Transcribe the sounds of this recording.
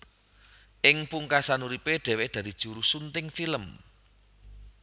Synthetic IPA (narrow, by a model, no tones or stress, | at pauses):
ʔɪŋpuŋkasanuɾipeɖ̪̥ɛ̤wed̪̥ä̤ɾid̥ʒ̥ṳɾusunt̪ɪŋfiləm